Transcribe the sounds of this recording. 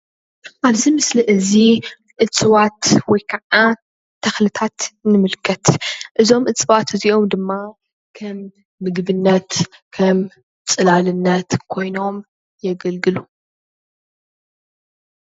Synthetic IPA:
ʔaβzimɨsliʔɨzi | ʔɨt͡sʼɨwat̪wɔjkʰɐʕa | t̪ʰːɐxlɨt̪ʰat̪nɨmɨlkʰːɐt̪ʔɨzo̞mʔɨt͡sʼɨβat̪ɨziʔo̞md̪ɨmːa | kʰɐmː | ɨɡbɨnːɐt̪kʰɐm | t͡sʼɨlalɨnːɐt̪kʰo̞jno̞m | jɛɡɐlɡɨlu

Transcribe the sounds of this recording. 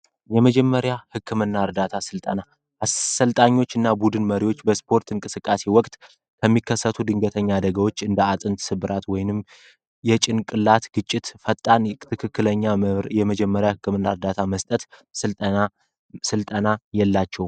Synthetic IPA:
jɛməd͡ʒɛmːəɾjahɨkʰːɨmɨnːaɨɾd̪at̪ʰasɨlt̪ʼəna | ʔasəlt̪ʼaɲːo̞t͡ʃːɨnːabud̪ɨnməɾiwo̞t͡ʃːbəspʰo̞ɾt̪ɨŋkʼɨsɨkʼːase̞wɔkʼt̪ʼ | kʰəmːikʰːəsːət̪ʰud̪ɨŋɡət̪ʰəɲːad̪əɡəwo̞t͡ʃːɨnd̪əat̪ʼɨnt̪sɨβɨɾʔat̪wɔjnɨm | jɛt͡ʃʼɪnkʼɨlːat̪ɡ̥ɨt͡ʃʼːɪt̪fət̪ʼːant̪ʰɨkʰɨkːɨləɲːajɛməd͡ʒɛmːəɾjahɨkʰːɨmɨnːaɨɾd̪at̪ʰaməst̪ʼət̪sɨlt̪ʼəna | sɨlt̪ʼənajɛlːat͡ʃːɛw

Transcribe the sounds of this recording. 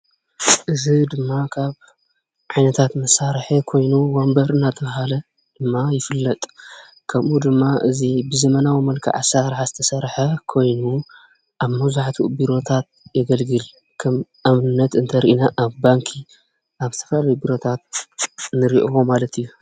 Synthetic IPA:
ʔɨzid̪ɨmːakʰaβ | ʕajnɐt̪ʰat̪mɐsːaɾħekʰo̞jnuwombɐɾɨnːat̪ʰɐβɐhalɐ | d̪̥ɨmːajɪfɨlːɐt̪ʼ | kʰɐmʔud̪ɨmːaʔɨzibɨzɐmɐnawimɐlkʰḭʕa̰saɾħazɨt̪ʰɐsɐɾħɐkʰo̞jnu | ʔaβmɐwzuʕat̪ʰubiɾo̞t̪ʰat̪̚jɛɡɐlɡɨl | kʰɐmʔamnɨnːɐt̪ɨnt̪ʰɐɾiʔinaʔːβbaŋkʰi | ʔaβɨ̥t̪ʰɐ̥flalɐwibiɾo̞t̪ʰat̪̚nɨɾiʔomalɐt̪ʰijːu

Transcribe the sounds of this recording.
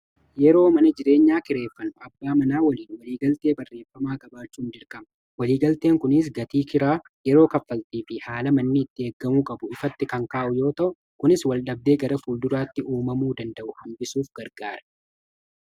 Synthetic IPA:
jɛɾo̞ːmɐnɐd͡ʒɪɾe̞ːɲːaːkɪɾe̞ːfːɐnʊɐbːaːmɐnaːwɐliːnwɐliːɡɐlt̪e̞ːbɐrːe̞ːfːɐmaːɡɐbaːt͡ʃːuːnd͡ʒɪɾkʼɐmɐ | wɐliːɡɐlt̪eːŋkʊnɪs̬ɡɐt̪iːkɪɾaː | jɛɾo̞ːkɐfːɐlt̪iːfɪhaːlɐmɐnːɪɪt̪ːɪeːɡːɐmuːkʼɐbʊɪfɐt̪ːɪkɐŋkaːʔʊjo̞ːt̪ɐʔʊ | kʊnɪswɐlɗɐb̚d̪e̞ːɡɐɾɐfuːld̪ʊɾaːt̪ːɪʔuːmɐmuːd̪ɐnd̪ɐʔʊhɐmbɪsuːfɡ̥ɐɾɡaːɾɐ̥

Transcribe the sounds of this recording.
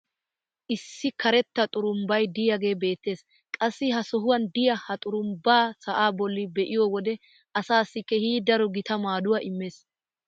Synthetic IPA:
ʔɪsːɪkʰɐɾɛt̪ːɐt̪ʼʊɾʊmbɐjd̪ɪjɐɡe̞ːbe̞ːt̪ːe̞ːs | kʼɐsːɪɦɐsɔɦʊwɐnd̪ɪjɐhɐt̪ʼʊɾʊmbaːsɐʔaːbɔlːɪbɛʔɪjɔwɔd̪ɛ | ʔɐsaːsːɪkːɛhiːd̪ɐɾɔɡɪt̪ɐmaːd̪ʊwaːʔɪmːe̞ːs

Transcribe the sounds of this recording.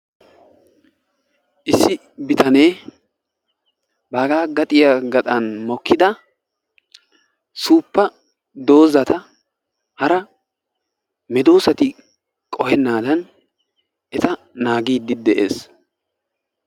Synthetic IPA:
ʔɪsːɪ | bɪt̪ɐne̞ː | baːɡaːɡɐt̪ʼɪjaɡɐt̪ʼɐnmɔkʰːɪd̪ɐ | suːpːɐ | d̪o̞ːzɐt̪ɐ | hɐɾɐ | mɛd̪oːsɐt̪ɪ | kʼɔhɛnːaːd̪ɐn | ʔɛt̪ɐ | naːɡiːd̪ːɪd̪ɛʔḛːs

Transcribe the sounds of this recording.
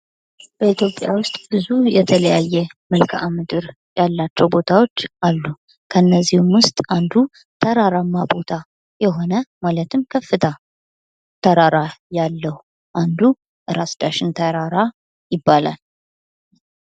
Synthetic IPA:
b̥əit̪jo̞pʼja̰wʊst̪ʼb̥ɨzujɛt̪ʰələjajːɛmɨlkʰʔamɨd̪ɨɾ | jalːat͡ʃːɛwbo̞t̪ʰawo̞t͡ʃːʔalːu | kʰəɨnːəzːihmwʊst̪ʼand̪u | t̪ʰəɾaɾamːabo̞t̪ʰa | jɛɦo̞nəmalət̪ʰɨmkʰəfːɨt̪ʰa | t̪ʰəɾaɾajalːəhu | ʔand̪u | ʔɨɾasd̪aʃɪnt̪ʰəɾaɾa | jɪbːala̰l

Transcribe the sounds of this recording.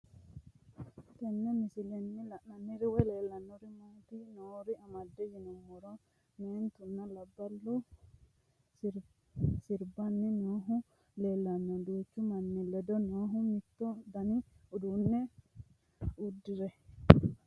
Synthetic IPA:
tɛnːɛmisilɛnːilanːanːiɾiwɛlɛlːanːɔɾimot̪inɔːɾiamadːɛd͡ʒinɔmːɔɾɔ | nɛnt̪unːalabːalːu | ɾ | siɾbanːinɔɦu | lɛlːanːɔdut͡ʃːumanːilːɛd̪ɔnɔɦumit̪ːɔd̪aniudunːɛ | udːiɾɛ

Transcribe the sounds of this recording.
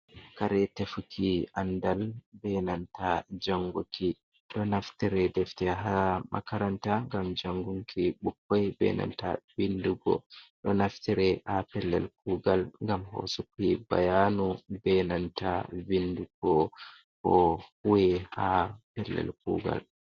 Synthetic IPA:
kaɾɛtefukʰiandalbɛnantad͡ʒaŋɡuki | ɗɔnaftiɾɛdɛftɛɦamʔa̰kaɾantaŋɡamd͡ʒaŋɡuŋkʰiɓukːajbɛ̰na̰nta̰vinduɡɔ̰ɗɔnaftiɾɛhapɛlːɛ̰lk̚uːɡalŋɡamho̰sukiba̰janubɛnantavinduɡ̥ɔ | hɔhuwɛhapɛlːɛ̰lk̚ṵɡa̰l

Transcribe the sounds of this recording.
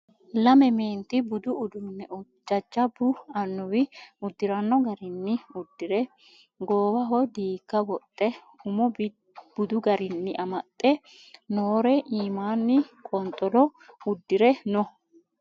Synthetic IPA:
lɐmɛmeːnt̪ɪbʊd̪ʊʔʊd̪ʊnːɛʊ | d͡ʒɐd͡ʒːɐbʊɐnːʊwɪʊd̪ːɪɾɐnːɔɡɐɾɪnːɪʊd̪ːɪɾɛ | ɡoːwɐɦɔjd̪iːkːɐwɔt̪ʼːɛ | ʊmɔb | b̥ʊd̪ʊɡɐɾɪnːɪʔɐmɐt̪ʼːɛ | noːɾɛʔiːmaːnːɪkʼɔnt̪ʼɔlɔʊd̪ːɪɾɛnɔ

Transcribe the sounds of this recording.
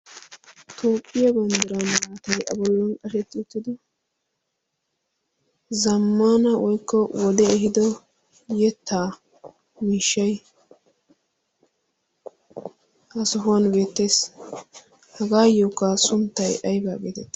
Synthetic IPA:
t̪ʰoːpʼːɪjɐbɐnd̪ɪɾɐnwaːt̪ɐjʔɐ̰bɔlːɔnkʼɐʃɛt̪ːɪʊt̪ːɪd̪ɔ | zɐmːanɐwɔjkːɔwɔd̪ɛɛɦɪd̪ɔ | jɛt̪ʰːaː | miːʃːɐj | ʔɐsɔɦʊwɐnbe̞ːt̪ːe̞ːs | hɐɡaːjokːasʊnt̪ːɐjʔɐjbaːɡḛːt̪ɛt̪ː

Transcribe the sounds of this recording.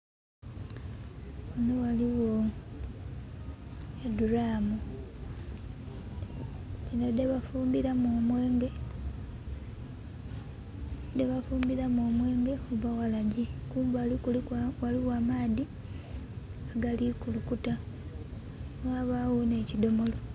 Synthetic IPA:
unowaliwo | eduɾaːmu | inodeβafuːmbiɾamomwe̞ːŋɡe | d̪eβafuːmbiɾamoːmwe̞ːŋɡe̞kuβawalaɟekuːmbalikuliwaliwaːmaːði | aɡalikulukuta | aβawune̞ːcido̞mo̞lo̞

